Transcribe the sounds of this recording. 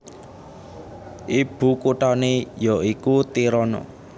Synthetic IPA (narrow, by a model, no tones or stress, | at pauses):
ʔib̥ṳkuʈanejɔikut̪iɾɔnɔ̰